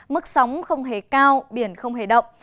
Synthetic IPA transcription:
mɨ˦˥k̚sa˨˦wŋ͡mxə˧wŋ͡mɦe˧˩kaː˧wɓi˧˩ənxə˧wŋ͡mhḛ˧˩ɗə̰˧˨wŋ͡m

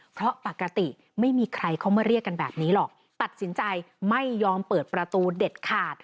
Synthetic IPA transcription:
pʰɾɔ˦˥pa˨˩kːa˧t̪i˨˩ | ma˥˩jmiː˧kʰɾa˧jkʰa˥˩wmaː˥˩ɾi˥˩əkːa˧nbɛː˨˩p̚niː˦˥lɔ˨˩k̚ | t̪a˨˩t̪̚si˩˦nt͡ɕa˧jma˥˩jːɔː˧mpɤː˨˩t̪̚pɾa˧t̪uː˧de˨˩t̪̚kʰaː˨˩t̪̚

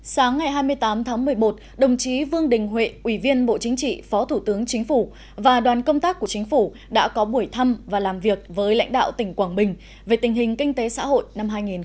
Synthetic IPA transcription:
saː˨˦ŋːa˨˩jɦaː˧jmɨ˧əjt̪aː˨˦mt̪ʰaː˨˦ŋmɨ˨˩əjmo˨˩t̚ | ɗə˨˩wŋ͡mt͡ɕi˨˦vɨ˧əŋɗï˨˩ŋ̟ɦwḛ˧˨ʔwi˧˩vi˧ənɓo̰˧˨t͡ɕï˨˦ŋ̟t͡ɕḭ˧˨fɔ˨˦t̪ʰu˧˩t̪ɨ˨˦əŋt͡ɕï˨˦ŋ̟fu˧˩ | vaː˨˩ɗwaː˨˩nkə˧wŋ͡mt̪aː˦˥k̚ku˧˩ət͡ɕï˨˦ŋ̟fu˧˩ | ɗa̰ː˧˥kɔ˨˦ɓu˧˩əjt̪ʰa˧mvaː˨˩laː˨˩mvi˨˩ək̚vəː˨˦jla̰˧˥ŋ̟ɗa̰ː˧˨wt̪ï˧˩ŋ̟kwaː˧˩ŋɓï˨˩ŋ̟ | ve˨˩t̪ï˨˩ŋ̟ɦï˨˩ŋ̟kï˧ŋ̟t̪e˨˦sa̰ː˧˥ho̰˧˨jna˧mɦaː˧jŋi˨˩n

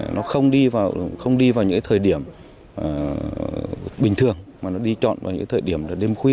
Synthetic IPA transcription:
nʔɔ˨˦xə˧wŋ͡mɗi˧vaː˨˩wxə˧wŋ͡mɗi˧vaː˨˩wɲɨ̰˧˥ka˦jt̪ʰəː˨˩jɗi˧˩əmː˨˩ | ɓï˨˩ŋ̟t̪ʰɨ˨˩əŋmaː˨˩nɔ˨˦ɗi˧t͡ɕɔ̰˧˨nva̰ː˨˩ɲɨ̰˧˥˦t̪ʰːjɗi˧˩əmlaː˨˩ɗe˧mxwi˧ə

